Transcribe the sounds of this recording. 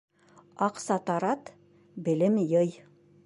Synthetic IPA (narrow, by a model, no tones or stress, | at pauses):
ɑqsɑt̪ɑɾɑt̪ | bɘ̆lɘmjɤj